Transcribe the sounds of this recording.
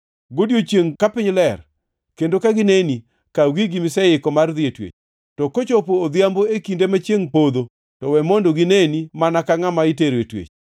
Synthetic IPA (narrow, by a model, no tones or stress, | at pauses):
ɡodjot͡ʃjeŋkapɪɲlɛr | kendokaɡɪneni | kaɡiɡɪmɪsɛɪkɔmard̪ɪetwḛt͡ʃ | tɔkot͡ʃopoːd̪jamboekindemat͡ʃjeŋpod̪o | tɔwɛmondoɡɪnenimanakaŋamaɪteɾetwḛt͡ʃ